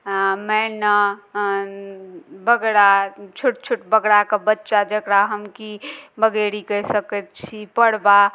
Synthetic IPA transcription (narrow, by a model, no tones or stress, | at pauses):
mɛnə | bəɡɽat͡ʃʰuʈ̚t͡ʃʰuʈbəɡɽakebətːʃad͡ʒəkɽaɦəmkibəɡeɽikəɦsəkət̪̚t͡ʃʰipəɽba